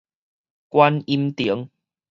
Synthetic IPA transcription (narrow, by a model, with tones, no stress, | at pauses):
kwa˦ni˧mt̪i˨˦ə˦ŋ